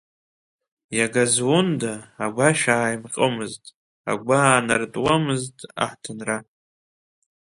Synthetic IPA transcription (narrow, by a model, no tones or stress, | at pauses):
jaɡazwondaːɡʷaʃᶣaːjmqʼəmɨztʼ | a̰ɡʷanartʼwamɨztʼa̰ħtʰɨnra